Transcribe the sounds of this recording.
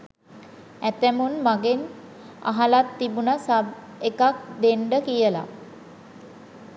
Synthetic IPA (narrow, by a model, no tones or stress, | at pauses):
æt̪æmunmaɡen | a̰ɦalat̪ːibunasab | ekak̚d̪eɳɖəkijəla̰